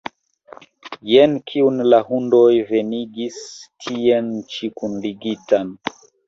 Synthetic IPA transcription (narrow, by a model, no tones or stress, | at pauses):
jɛnkʰiunlahundojveniɡistʰiɛnt͡ʃikundiɡitan